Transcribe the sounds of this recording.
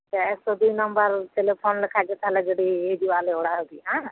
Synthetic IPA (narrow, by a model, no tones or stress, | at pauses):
t̪eɛksoːd̪uiːnəmbəɾʈeːleːpʰoːnləkʰaːd͡ʒet̪ʰalɛd͡ʒeːɽieːd͡ʒuaːleoːɽaːɦoɡiãː